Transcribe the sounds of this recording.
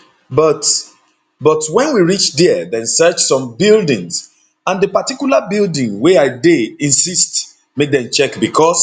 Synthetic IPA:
bɔt | bɔtwɛ̃nwiɹit͡ʃdɛðɛ̃nsɜt͡ʃsɔ̃mbildĩŋz | ãndəpatikjulabildĩŋweaɪdeĩnsist | mek̚dɛ̃mt͡ʃɛkbikʰɔs

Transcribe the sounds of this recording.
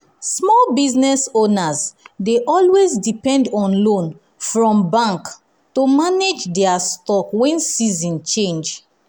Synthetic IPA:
smɔlbiznɛsonazdeʔɔlwezdipɛ̃ndɔ̃nlõn | fɹɔ̃mbãŋk | tomaned͡ʒdɛastɔkwɛ̃nsizĩnt͡ʃẽnd͡ʒ

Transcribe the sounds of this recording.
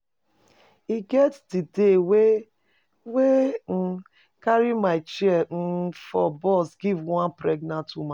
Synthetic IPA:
iɡɛtdidewe | wen̩ | kaɾimaɪt͡ʃɛn̩fɔbɔsɡivŋãnpɾeɡnantumã

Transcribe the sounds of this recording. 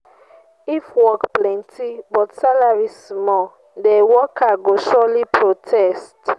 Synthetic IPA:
ifwɔkplɛ̃ntʰibɔtsalaɹismɔ | dewɔkaɡoʃɔlipʰɹotʰɛst

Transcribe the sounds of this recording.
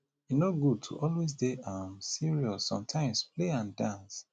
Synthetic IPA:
inoɡud̚tʰṵʔɔlwes̬deamsiɹiɔsːɔ̰̃mtʰãɪ̃mspleãndãns

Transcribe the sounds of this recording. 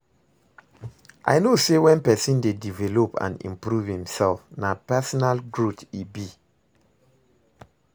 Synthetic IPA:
ʔa̰jnosewɛ̃npɛsĩndedivɛlopã̰nḭ̃mpɹuvhĩmsɛlfnapɛsɔnalɡɹutibi

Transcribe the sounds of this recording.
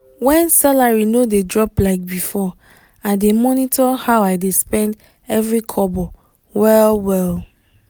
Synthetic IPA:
wɛ̃nsalaɹinodedɹɔplaɪk̚bifɔ | aɪdemɔnitʰɔhaʊaɪdespɛ̃nd | ɛvɹikʰɔbɔ | wɛlwɛl

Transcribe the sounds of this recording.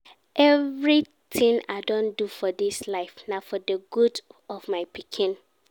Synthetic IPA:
ʔɛvɹi | t̪ʰɪ̃ŋa̰ɪdõndufɔdɪslaɪfnafɔdəɡudɔvmaɪpʰikʰɪ̃n

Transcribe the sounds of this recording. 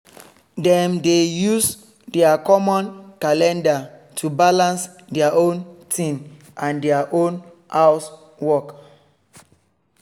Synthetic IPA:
dɛ̃mdejus | dɛakɔmɔ̃nkalɛ̃ndatʰubalãns | dɛaʔõntʰĩn | ʔãndɛaʔõn | haws | wɔk

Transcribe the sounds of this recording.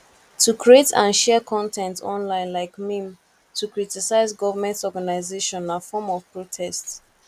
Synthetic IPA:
tʰukʰɹietʰãnʃɛkʰɔ̃ntʰɛ̃ntʰɔ̰̃nlãɪ̃nlaɪkmĩm | tʰukɹitisaɪzɡɔvəmɛ̃ntɔɡanaɪzeʃɔ̃nafɔmɔv̥pɹotʰɛsts

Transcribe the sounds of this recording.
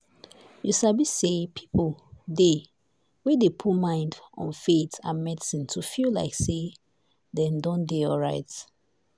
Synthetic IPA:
jusabisepʰi̥pʰlde | wɛ̃depʰutmãɪ̃ndɔ̰̃nfetã̰nmɛdisĩntʰufilla̰ɪkse | dɛ̃ndɔ̃ndeɔlɹaɪt

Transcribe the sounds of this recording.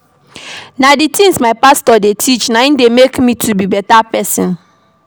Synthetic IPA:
naditĩŋsmaɪpastɔdetʰit͡ʃnãĩndemekmĩtʰubibɛtapɛsĩn

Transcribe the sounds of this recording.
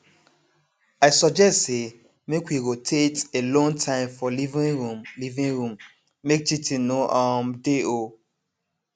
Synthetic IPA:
aɪsɔd͡ʒɛstse | mekwiɡotʰetelɔ̃ntʰãɪ̃mfɔlivĩɹũmlivĩŋɹũm | mek̚t͡ʃitʰĩnoʔɔ̃mdeo

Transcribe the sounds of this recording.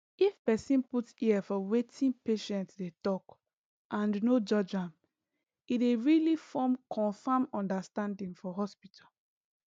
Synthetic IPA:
ifpɛsĩnputiɛfɔwetʰĩnpeʃɛ̃ntsdetɔk | ʔãnnod͡ʒɔd͡ʒãm | ideɹilifɔmkʰɔ̃nfamɔ̃ndastãndĩŋfɔɦɔspitʰal

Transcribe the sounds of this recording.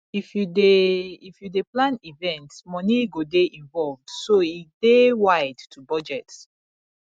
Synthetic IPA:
ifjudeifjudeplãnivɛ̃ntsmɔniɡodeʔĩnvɔlvd̥soidewaɪdtʰubɔd͡ʒɛts

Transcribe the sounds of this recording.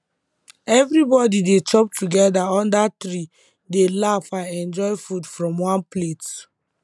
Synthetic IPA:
ɛvɹibɔdidet͡ʃɔp̚tuɡɛdaɔ̃ndatɹi | delafãnɛ̃nd͡ʒɔɪfudfɹɔ̃mwãnplet

